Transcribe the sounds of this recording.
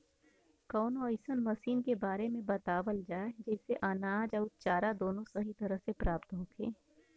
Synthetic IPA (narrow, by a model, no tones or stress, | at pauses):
kɔːnɔːɪsənmɐsiːnkebaːɾemẽbɐt̪aːʋəld͡ʒaːed͡ʒɛːseʔɐnaːd͡ʒɐʊt̪̚t͡ʃaːɾad̪oːnõsɐɦit̪ɐɾəɦsepɾaːpt̪ɦoːkʰẽː